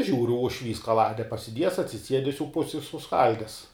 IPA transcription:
ˈʒʲuːrʊ ʊʃʲˈʋʲiːs kɐˈlˠɑːdʲɛ pɐsʲɪˈdʲiɛjɛs ɐtʲsʲɪˈsʲiɛdʲɛs jɛʊ ˈpʊsʲɪ ɪ sʊˈskɐlʲdʲɛs

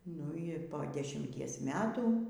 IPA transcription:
nʊ ɪ ˈpoː dʲɛʃʲɪmʲˈtʲiɛs ˈmʲæːtuː

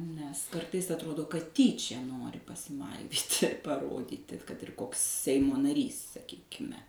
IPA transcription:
nʲɛs ˈkɐrtɐɪs ɐtˈroːdoː kɐt ˈtʲiːt͡ʃʲɛ ˈnoːrʲɪ pɐsʲɪˈmɐɪʋʲiːtʲɪ pɐˈroːdʲiːtʲɪ ˈkɐt ɪr ˈkoːks ˈsʲɛɪmoː nɐˈrʲiːs sɐˈkʲiːkʲɪmʲɛ

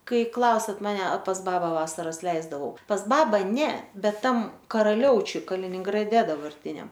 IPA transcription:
ˈkɐɪ ˈklˠɐʊsʲɛt mɐˈnʲɛ pɐs ˈbɑːbɐ ˈʋɑːsɐrɐs ˈlʲɛɪzdɐʋɐʊ pɐs ˈbɑːbɑː ˈnʲɛ ˈbʲɛt ˈtɐm kɐrɐˈlʲɛʊt͡ʃʲʊj kɐlʲɪnʲɪŋɡrɐˈdʲɛ dɐbɐrʲˈtʲɪnʲɛm

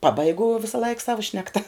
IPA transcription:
ˈpɑːbɐɪɡʊ ʋʲɪsɐˈlˠɐɪk ˈsɑːʋoː ˈʃʲnʲæːktɐ

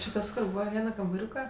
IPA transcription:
t͡ʃʲɪ ˈtɐs kʊr ˈbuːʋɐ ˈʋʲiɛnɐ kɐmbɐˈrʲuːkɐ

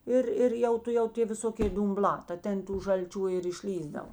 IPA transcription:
ˈɪr ˈɪr jɛʊ tʊˈjɛʊ ˈtʲeː ʋʲɪˈsoːkʲeː dʊmˈblˠɑː tɐ ˈtʲɛn tuː ʒɐlʲˈt͡ʃʲuː ɪr ɪʃʲˈlʲiːzdɐw

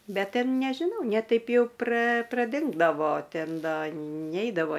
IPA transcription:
ˈbʲɛt ˈtʲɛn nʲɛʒʲɪˈnɐʊ nʲɛ ˈtɐɪp jɛʊ prɐ prɐˈdʲɪŋɡdɐʋoː ˈtʲɛn ˈdɐ ˈnʲɛɪdɐʋoː

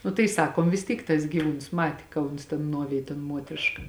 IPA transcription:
nʊ tɐɪ ˈsɑːkoːm ʋʲɪs ˈtʲiːk tɐs ɡʲiːˈʋuːns ˈmɑːtʲɪ kɐ ˈʊns tʲeːn ˈnuɔʋʲeːj toːn ˈmuɔtʲrʲɪʃkɐ

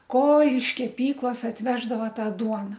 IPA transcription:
koː ɪʃ kʲɛˈpʲiːklˠɐs ɐtʲˈʋʲæːʒdɐʋɐ ˈtɑː ˈduɔnɐ

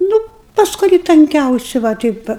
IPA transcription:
ˈnʊ pɐs kʊˈrʲiː tɐŋʲˈkʲɛʊsʲɪ ʋɐ ˈtʲɛɪp ʋɐ

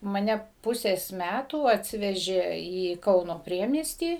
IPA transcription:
mɐˈnʲɛ ˈpʊsʲeːs ˈmʲætuː ɐtʲˈsʲɪʋʲɛʒʲeː iː ˈkɐʊnoː ˈpʲrʲiɛmʲiɛsʲtʲiː

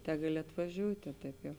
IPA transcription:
ˈtʲæːɡɐˌlʲɪ ɐtʋɐˈʒʲuːtʲeː ˈtɐɪp jɛʊ

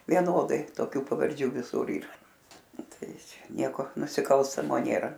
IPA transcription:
ʋʲiɛˈnoːdɐɪ toːˈkʲuː pɐʋɐrʲˈd͡ʒʲuː ʋʲɪˈsʊr ˈiːrɐ ˈtɐɪ ˈt͡ʃʲɛ ˈnʲiɛkoː nʊsʲɪˈkɐlˠstɐmoː ˈnʲeːrɐ

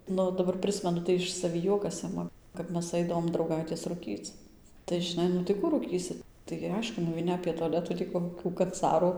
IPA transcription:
ˈnʊ dɐˈbɐr ˈprɨsʲmʲɛnʊ tɐɪ ˌɪʃ sɐˈʋʲiː ˈjuɔkɐs ˈɪmɐ kɐp ˈmʲɛs ˈɐɪdɐʋoːm drɐʊˈɡɐɪtʲeːs rʊˈkʲiːt͡s tɐɪ ʒʲɪˈnɐɪ nʊ tɐɪ ˈkuː ruːˈkʲiːsʲɪ tɐɪɡʲɪ ˈɐɪʃkʊ nʊʋʲɛɪˈnʲɪ ɐpʲeː toːˈlʲæːtuː tʲiː koːˈkʲuː kɐnˈt͡sɑːruː

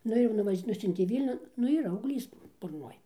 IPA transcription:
ˈnʊ ɪr nʊˈʋɐʃʲ ˈnʊsʲʊnʲtʲeː ˈʋʲiːlʲnʲʊn ˈnʊ iːˈrɐ ɐʊɡˈlʲiːs bʊrˈnoːj

